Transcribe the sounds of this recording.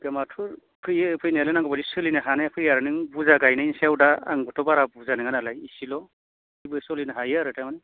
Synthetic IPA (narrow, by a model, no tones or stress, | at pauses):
ɡamatʰuɾ | pʰɯjɯpʰɯjnelɯnaŋɡɔbadisɯlinɯɦanajapʰɯjaɾɯnɯŋbuzaɡajnainsawdaa̰ŋbɯtʰɔbaɾabuzanɯŋanalajisilɔ | ijbɯsɔlinɯɦajɯaɾɯtʰamanɯ